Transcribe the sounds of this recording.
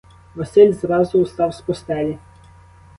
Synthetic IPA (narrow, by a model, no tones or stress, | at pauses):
ʋɐsɪlʲzɾɑzʊust̪ɑwspɔst̪ɛlʲi